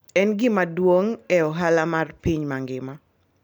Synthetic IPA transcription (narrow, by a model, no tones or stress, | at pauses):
ɛnɡɪmadwoŋɛɔɦalamarpiɲmaŋɡɪma